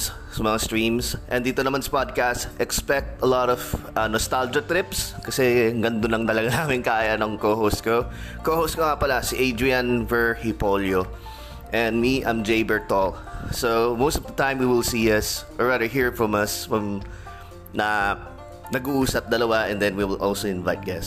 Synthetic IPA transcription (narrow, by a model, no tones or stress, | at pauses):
sɐmɐŋast̪ɹĩmsʔɛ̃nd̪iːt̪onɐmansɐ̥pad̪̚kastʔɛkspɛk̚t̪ɐlɔt̪ɔvɐnɔst̪ald͡ʒot̪ɾɪpskɐsɛɡɐnd̪onlɐŋt̪ɐlɐɡanaːmɪnkaːjɐnɐŋkoːhoskokohoskoŋapɐlasiʔejd̪ɹianvɛɹhipoljo | ʔɛ̃nd̪miʔã̰ɪmd͡ʒejbɛɹt̪ol | somost̪ɔvd̪ɐt̪ãjmwiwɪlsiːɐsʔɔɹɹad̪ə˞ɦiɹfɹɔmɐsfɐm | nɐ | nɐɡuʔuːsɐp̚d̪ɐlɐwaʔɛ̃nd̪ɛnwiwɪlʔolsoɪ̃nvajt̪̚ɡɛs